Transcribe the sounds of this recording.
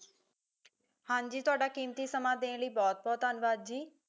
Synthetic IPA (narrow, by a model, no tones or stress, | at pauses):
hãːnd͡ʑiːt̪ʊaːɖaːkiːmt̪iːsəmãd̪ẽːnləiːbɔːt̪̚bɔːt̪ənʊʋaːd̪̚d͡ʑiː